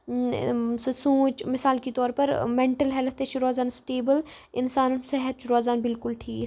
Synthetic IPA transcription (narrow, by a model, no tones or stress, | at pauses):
ssũːt͡ʃmɪsaːlkit̪ɔːɾpɐɾmẽɳʈəlɦɛlt̪ʰeʃʊɾaːzaːnsʈeːbəl | ɪnsaːnsɛɦət̪̚t͡ʃʊɾaːzaːnbɪlkʊlʈʰiː